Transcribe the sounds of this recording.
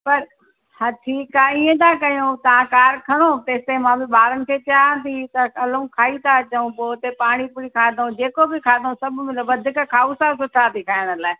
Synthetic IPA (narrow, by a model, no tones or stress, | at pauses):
pɐɾ | haʈʰiːkaːiːẽt̪ʰãːkɐjũt̪ɐʋ̤ãkaːɾkʰɐɽ̃ot̪eːst̪emãːbɪɓaːɾənɪ̆kʰeːt͡ɕaãnd̪it̪ɐɐlũkʰaːit̪ʰat͡ɕɐũpoːt̪epaːɽ̃ipʊikʰaːd̪õd͡ʑeːkobɪkʰaːd̪õsɐbʱmɪlʋɐd̪ʱɪkkʰaːusasʊʈʰaːt̪ikʰaːɪɽ̃əlaːɪ